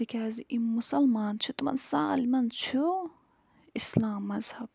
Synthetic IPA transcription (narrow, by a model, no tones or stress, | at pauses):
ikʰaːziʔimusɐlmaːnt͡ʃʰut̪umɐ̰nsaːlimɐnt͡ʃʰu | islaːmːɐzhɐb̥̚